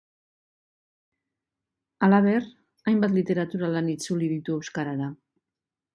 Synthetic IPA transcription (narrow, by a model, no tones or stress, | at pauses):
alaβ̞e̞ɾ | ajmbat̪lit̪e̞ɾat̪uɾalanit͡suliðit̪ue̞wskaɾaɾa